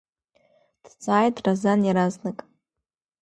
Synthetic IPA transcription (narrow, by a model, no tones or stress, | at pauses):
d̥t͡sʼaːjtʼrazanjaɾaznɨkʼ